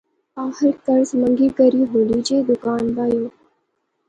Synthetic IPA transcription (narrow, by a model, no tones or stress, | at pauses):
aːhəɾt̪əɾsməŋɡiːkəɾiːɦoliːd͡ʒeːd̪ʊkaːnbaːjoː